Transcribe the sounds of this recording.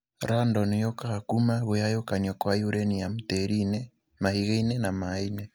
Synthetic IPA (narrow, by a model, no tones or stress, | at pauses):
ɾandɔnejokakumaβojajokaɲɔkwajuɾeniamuteɾine | mahiɣeinenamaine